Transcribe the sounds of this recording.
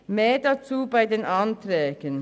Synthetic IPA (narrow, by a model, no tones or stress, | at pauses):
meːdat͡suːbaɪdeːnʔantʁɛːɡ̥ən